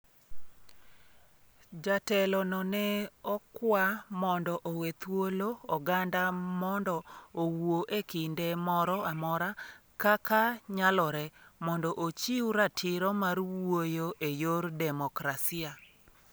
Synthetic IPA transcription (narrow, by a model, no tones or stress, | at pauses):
d͡ʒatɛlɔnɔnɛɔkwamɔndɔʔowet̪woloɔɡandamɔndɔowoʔekɪndemɔɾɔamɔɾakakaɲalɔɾɛmɔndɔʔot͡ʃiuɾatʰɪɾɔmarwojoʔejoɾdɛmɔkɾasɪa